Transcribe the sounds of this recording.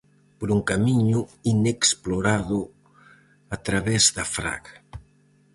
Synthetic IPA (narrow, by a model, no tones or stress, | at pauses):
poɾuŋkamiɲuineksploɾaðʊ | at̪ɾaβɛzðafɾa̰ɣ